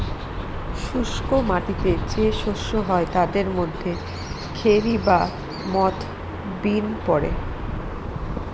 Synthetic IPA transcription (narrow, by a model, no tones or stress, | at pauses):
ʃuʃkomaʈit̪ed͡ʑeʃoʃːoɦɔet̪ad̪eɾmod̪ʱːe | kʰeɾiba | mɔt̪ʰ | binpɔɾḛ